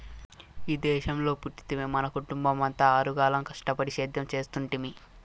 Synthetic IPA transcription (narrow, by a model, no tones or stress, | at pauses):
iːd̪ɛːʃɐmlo̞ːpuʈːi̥t̪imemɐnɐkuʈumbɐmɐnt̪ɐaːɾuɡaːlɐmkɐʂʈɐpɐɽiʃeːd̪ʱjɐmt͡ʃe̞ːst̪uɳʈimi